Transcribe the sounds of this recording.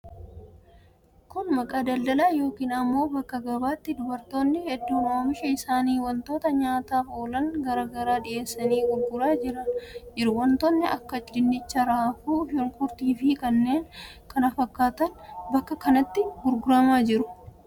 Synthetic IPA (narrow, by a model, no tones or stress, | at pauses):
kʊnmɐkʼaːd̪ɐld̪ɐlaːjo̞ːkiːnɐmːo̞ːbɐkːɐɡɐbaːt̪ːɪd̪ʊbɐɾt̪o̞ːnːɪhɛd̪ːuːnoːmɪʃɛɪsaːniːwɐnt̪o̞ːt̪ɐɲaːt̪aːfo̞ːlɐŋɡɐɾaːɡɐɾaːᶑɪʔe̞ːsːɐniːɡʊɾɡʊɾaːd͡ʒɪɾɐnd͡ʒɪɾʊwɐnt̪oːnːɪʔɐkːɐt͡ʃʼdɪnːɪt͡ʃːɐɾaːfuːhɪŋkʼʊɾt̪iːfɪkɐnːe̞ːŋ | kɐnɐfɐkːaːt̪ɐnbɐkːɐkɐnɐt̪ːɪɡʊɾɡʊɾɐmaːd͡ʒɪɾʊ̥